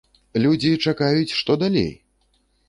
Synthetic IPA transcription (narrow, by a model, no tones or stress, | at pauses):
lʲud͡zʲit͡ʂakajut͡sʲʂt̪ɔd̪alʲḛj